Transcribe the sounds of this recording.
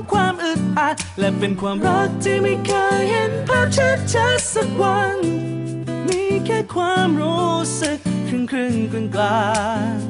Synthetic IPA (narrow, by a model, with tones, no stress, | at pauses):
kʰwaː˧mʔɯ˨˩t̪̚pʰa˧˥t̪̚lɛː˧pe˧nkʰwaː˧mɾa˦˥k̚t̪ʰiː˧mi˧kʰɤː˧jhe˧˦npʰaː˥˩p̚t͡ɕʰa˦˥t͡ɕʰa˧˦˥sa˧k̚wa˧˦n | mi˧˥kɛː˧˥kʰwaː˧mɾuː˦˥sɯ˧kʰːɯ˧ŋkʰɯ˧˩ŋkɯ˧nklaː˧